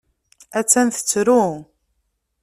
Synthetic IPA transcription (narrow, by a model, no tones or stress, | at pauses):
æt͡sːænθə̥t͡sːɾu